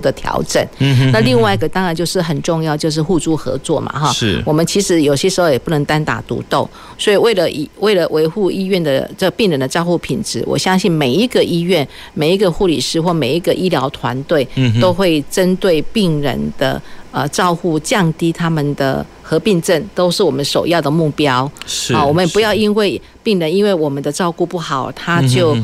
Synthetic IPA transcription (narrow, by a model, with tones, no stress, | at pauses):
d̪ə˨˩t̪ʰjɑ̰˧˥ʊʈ͡ʂə̰˨˩˦nna˥˧li˥˧ŋwa˥˧ɪi˧ɡə˨˩t̪ɑ˥ŋɻa˧nt͡ɕjo˥˧ʊʂɻ̩˥˩ɦə˨˩nʈ͡ʂʊ˥˧ŋjɑ˥˩˧t͡ɕjʊʂ̬ɻ̩˥˩xu˥˧t͡su˥˩xɤ̰˧˥t͡swɔ̰˥˩ma̰˩xɔ˥˩ʂwɔ˨˩mə˦nt͡ɕʰi˧˥ʂɻ̩˧˥jo˨ʊɕjɛ˥ʂɻ̩˧˥xo˧ʊjɛ˨˩pu˥˩nə˧˥ŋt̪a˥nt̪a̰˨˩t̪ṵ˧˥t̪o˥˩ʊ | swɔ˧˥i˨˩we˥˩ɪlə˨ʔḭ˨˩we˥˩ɪlə˨˩we˧˥ɪxu˥˩i˥ɥɛ˥˩nd̪ə̰˨ʈ͡ʂə˥ɡə˨˩pi˥˩ŋɻə˧˥nd̪ə˧ʈ͡ʂɑ˥˧ʊxu˥˩pʰi˨˩nʈ͡ʂɻ̩̰˧˥wɔ̰˨˩ɕjɑ˥ŋɕi˥˩nme˨˩ɪi˦˥ɡə˨ʔi˥ɥɛ˥˩n | me˨˩ɪi˧˥ɡə˨˧xu˥˩lḭ˨˩ʂɻ̩˥xwɔ˥˩me˨˩ɪi˧˥ɡə˧˨ʔi˥ljɑ˧˥ʊt̪ʰwa̰˧˥nt̪we˥˩ɪt̪o˥ʊxwe˥˩ɪʈ͡ʂə˦nt̪we˥˩ɪpi˥˩ŋɻə̰˧˥nd̪̥ə̰˧ə˨ʈ͡ʂɑ˥˧ʊxu˥˩t͡ɕjɑ˥˧ŋt̪i˥t̪ʰa˥mə˨nd̪ə̰˩ | xɤ˧˥pi˥˧ŋʈ͡ʂə˥˩nt̪o˥ʊʂɻ̩˥˩wɔ˨˩mə˦nʂo˨˩ʊjɑ˥˩d̪ə˩mu˥˩pjɑ˥ʊ˨wɔ˨˩mə˦njɛ˨˩pu˧˥jɑ˥˩ʊi˥nwe˥˩ɪ | pi˥˩ŋɻə˧˦ni˥nwe˥˩ɪwɔ˨˩mə˦nd̪ə˨˧ʈ͡ʂɑ˥˧ʊku˥˧pu˥˩xɑ˨˩˦ʊt̪ʰa˥t͡ɕjo˥˩ʊ